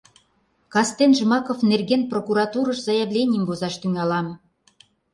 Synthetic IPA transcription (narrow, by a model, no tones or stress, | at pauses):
kɑst̪enʒmɑkofnerɣʲenprokuɾɑt̪uɾɤ̆ʃzɑjeβlʲenʲijəmbozɑʃt̪yŋɑlɑm